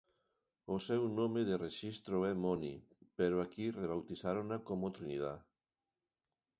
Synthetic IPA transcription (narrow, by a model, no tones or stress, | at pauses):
osɛwnomeðereʃist̪ɾoɛmoni | peɾoakireβ̞awt̪isaɾonakomot̪ɾiniða